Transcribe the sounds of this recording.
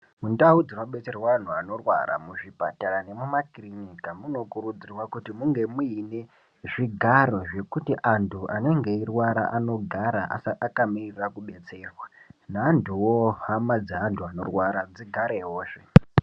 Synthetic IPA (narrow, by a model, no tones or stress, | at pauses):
mundaud͡zino̞ɓe̞t͡se̞rwaan̤uano̞rwa̰ɾa̰muʐipa̰taɾane̞mumakrinikamuno̞kuɾud͡zirwakutimuŋɡe̞muine̞ | ʐiɡʱaɾo̞ʐe̞kutiʔantʰuʔane̞ŋɡe̞irwaɾa̰ʔano̞ɡʱaɾaʔa̰saːkamirirakuɓe̞t͡se̞rwanaːntʰuwoɦamad͡zeɦantʰuano̞̰rwaɾad͡ziɡʱaɾeɦo̞ːʂe